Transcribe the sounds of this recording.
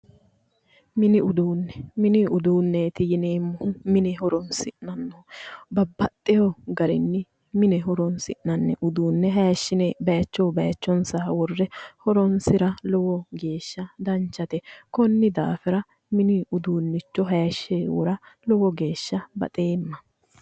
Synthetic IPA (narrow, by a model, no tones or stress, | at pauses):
mɪnɪʊd̪uːnːɛmɪnɪʊd̪uːnːet̪ɪjɪneːmːʊhʊmɪnɛɦɔɾɔnsɪnɐnːɔbɐbːɐt̪ʼːɛjɔɡɐɾɪnːɪ | mɪnɛɦɔɾɔnsɪʔnɐnːɛʔʊd̪uːnːɛɦɐjɐʃːɪnɛbɐjɐt͡ʃːɔːbɐjɐt͡ʃːɔnsɐwɔrːɛhɔɾɔnsɪɾɐlɔwɔɡe̞ːʃːɐd̪ɐnt͡ʃːɐt̪ɛkɔnːɪd̪a̰ːfɛɾɐ | mɪnɪʊd̪uːnːɪt͡ʃːɔɦɐjɐʃːeːwʊ̰ɾɐlɔwɔɡe̞ːʃːɐbɐ̰t̪ʼeːmːɐ